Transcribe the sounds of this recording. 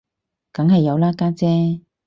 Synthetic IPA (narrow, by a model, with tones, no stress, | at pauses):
kɐ˨˥ŋɦɐ˨jːɐ˨˧wlaː˥kaː˥t͡sɛː˥